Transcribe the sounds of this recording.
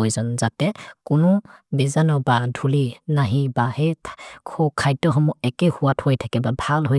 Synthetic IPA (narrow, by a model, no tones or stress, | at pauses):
ojzɔnzatɛkʊnɔbizanɔbadʱulinaɦĩbahekʰɔkʰajtɔɦɔmɔɛkɛhuwathojtʰakɛbabʱalɦoj